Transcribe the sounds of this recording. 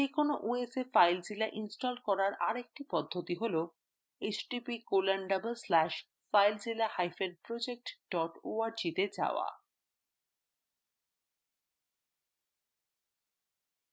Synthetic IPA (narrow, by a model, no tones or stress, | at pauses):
ekonoʔuesefajld͡ʑilaʔinsʈɔlkɔɾaɾʔa̰ɾek̚ʈipɔd̪ʱːot̪iɦolo | et͡ɕɖipikolanɖabelslæʃ | fajld͡ʑilahajfeɾpɾod͡ʑek̚ʈɖɔʈoaɾd͡ʑit̪ed͡ʑa̰oa̰